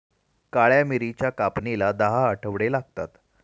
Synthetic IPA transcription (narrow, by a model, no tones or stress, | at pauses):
kaɭjamiɾit͡ɕjakapnilad̪əɦaəʈʰəʋɽelaɡ̚t̪at̪